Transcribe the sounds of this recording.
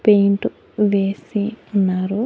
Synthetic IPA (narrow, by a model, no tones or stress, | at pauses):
pejiɳʈu | ʋeːsiunːaːɾu